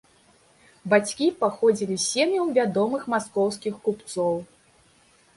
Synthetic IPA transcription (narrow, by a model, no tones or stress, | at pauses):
bat͡sʲkʲipaxɔd͡zʲilʲisʲemʲjuwvʲad̪ɔmɨxmaskɔwskʲixkupt̪sɔw